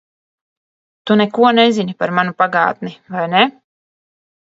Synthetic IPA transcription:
t̪unɛkuɔnɛzinipaɾmanupaɡa̰ːt̪̚nivajne

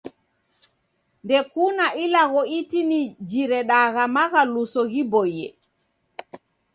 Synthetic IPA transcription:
ndɛkuːnaʔilaɡɔitinid͡ʒiɾɛɗaːɣamakalusɔhibɔjɛ̰

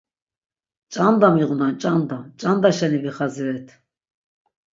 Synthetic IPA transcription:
t͡ʃʼand̪amiʁunant͡ʃʼand̪amt͡ʃʼand̪aʃanibiχaziɾɛt̪ʰ

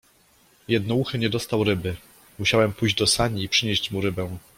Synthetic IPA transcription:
jɛd̪̚nɔuxɘɲɛd̪ɔst̪awɾɘbɘ | muɕawɛmpujʑd͡ʑd̪ɔsaɲiːpʂɘɲeɕt͡ɕmuɾɘbɛ̃w̃

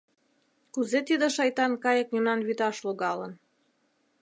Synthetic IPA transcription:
kuzet̪id̪ə̆ʃɑjt̪ɑnkɑjə̆k̚nymnɑnβyt̪ɑʃloɣɑlən

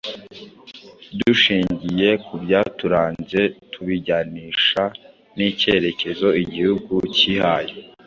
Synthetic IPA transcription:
duʃiːɲɟije̞kubjaːtuɾaːnze̞tʰuβiɟaniːʃa | nice̞ɾe̞ce̞zo̞iɟihuɡucihaːje

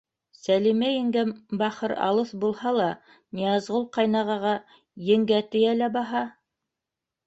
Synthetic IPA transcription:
sælimæjɘ̆ŋɡænbɑχɤɾɑ̰lˠɤθbulˠhɑlˠɑ | nʲiɑzʁolˠqɑjnɑʁɑʁɑ | jɘ̆ŋɡæt̪ɘ̆jælæbɑɦɑ

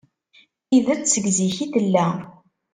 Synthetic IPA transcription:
iðæt͡ssəɡziçiθəlːæ

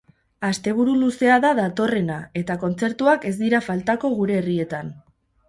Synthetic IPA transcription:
ast̪e̞β̞uɾuluse̞aðaðat̪o̞re̞nae̞t̪ako̞nt͡se̞ɾt̪uake̞zd̪iɾafalt̪ako̞ɣ̞uɾe̞ːrie̞t̪an

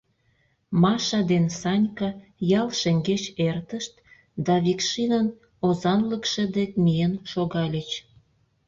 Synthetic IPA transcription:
mɑʃɑd̪ensɑnʲkɑjɑlʃeŋɡet͡ɕert̪əʃt̪̚ | d̪ɑβʲikʃinən | ozɑnləkʃed̪ek̚mijənʃoɣɑlʲət͡ɕ

